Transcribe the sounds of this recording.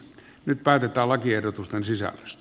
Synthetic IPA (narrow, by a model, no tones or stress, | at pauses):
nyt̪̚pæˑːt̪et̪ˑæːllɑkiehdot̪ust̪ensisæ̰lːø̥st̪